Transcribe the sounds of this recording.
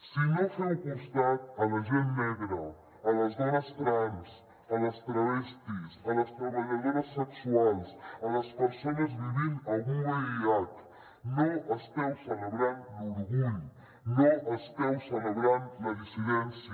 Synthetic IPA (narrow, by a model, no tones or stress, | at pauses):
sinosankunst̪at̪əməʒenmɛɣɾə | ələzɣanəst̪ɾams | ələst̪ɾəβɛst̪isələst̪ɾəβəʎəmeɾəsːəksualˠsələspəɾsonəzβiβinəlˠɣuŋəɾiat̪ | noʔəst̪ɛwsələβɾanduɾɣuʎ | noʔəst̪ɛwsələβɾanməðisiðɛnsiə